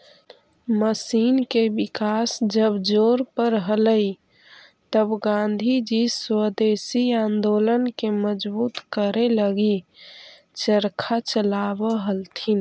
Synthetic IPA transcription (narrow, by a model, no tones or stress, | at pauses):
məsinkebikasd͡ʒəbd͡ʒoɾpəɾɦələi | t̪əbɡãnd̪ʱid͡ʒiswəd̪esiãnd̪olənkeməd͡ʒbuːt̪kəɾeləɡi | t͡ʃəɾkʰat͡ʃəlabəɦəlt̪ʰin